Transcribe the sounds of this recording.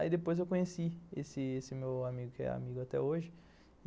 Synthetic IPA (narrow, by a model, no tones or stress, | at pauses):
id̪epojzewkõɲesiesɪesɪmewamiɡʊkɪɛ̰a̰miɡʊat̪ɛ̰oʒɪ